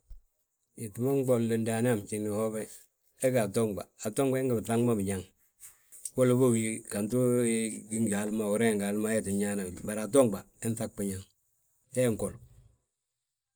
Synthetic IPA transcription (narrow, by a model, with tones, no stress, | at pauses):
i˨tu˨˦ma˦ŋ˦ɡ͡bo˨llə˨nda˨n˦a˦˨mt͡ʃi˨ni˨ho˦bɛ˦ | ɛ˦ɡa˨to˦ŋɡ͡ba̰˨a˨to˦ŋba˦i˦ŋɡa˨bθa˦ŋ˦ma˦bi˨ɲa˨ŋ | wo˦lo˦bo˦wji˦ka˨ntu˦ɡi˦ŋɡa˨˦lma˦wu˨ɾe˦˨ŋɡa˨lma˦ɛ˦ti˨ɲa˦na˨ba˨ɾa˨t̬o˦ŋɡ͡ba˨ | e˦n˦θa˦k̚k͡pi˦ɲa˨ŋ | ɛ˦˨ŋ˨ko˨l